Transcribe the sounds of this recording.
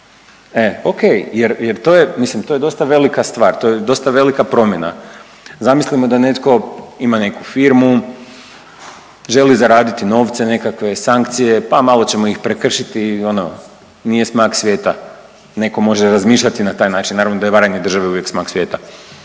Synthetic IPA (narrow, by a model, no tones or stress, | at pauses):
eokejjeɾjeɾt̪oːjemislimt̪o̞je̞d̪o̞st̪aʋe̞likast̪ʋaːɾt̪o̞jed̪o̞st̪aʋe̞likapɾo̞mje̞na̰ | zamislimod̪ane̞t̪ko̞imane̞kufiɾmu | ʒe̞lizaɾaːd̪it̪ino̞ːʋt̪se̞ne̞kakʋe̞saŋkt̪sije̞pamalˠo̞t͡ɕe̞moixpɾekr̩ʃit̪io̞no | nijesmaksʋje̞ːt̪a | ne̞ko̞mo̞ʒeɾazmiːʃʎʲat̪inat̪aːjnaːt͡ʃinnaːɾaʋnod̪ajeʋaɾaɲed̪ɾr̩ʒaʋeuʋje̞ksmaːksʋje̞ːt̪a